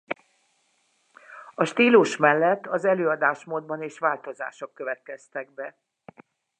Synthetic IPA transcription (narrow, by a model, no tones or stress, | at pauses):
ɒʃt̪iːluʃmɛlːɛt̪ːɒzɛløːɒd̪aːʃmoːd̪̚bɒneːʃʋaːlt̪o̞za̰ːʃokːø̞vɛt̪̚kɛst̪ɛɡ̚bɛ